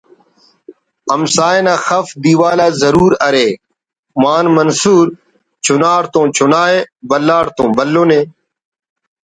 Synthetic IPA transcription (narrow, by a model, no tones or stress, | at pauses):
ɐmsaːenaːxɐfd̪iːwaːlaːzɐɾuːɾɐɾeː | maːnmɐnsuːɾ | t͡ɕʰʊnaːɾt̪õːt͡ɕʰʊnaːeːbɐlːaːɾt̪õːbɐlːõːneː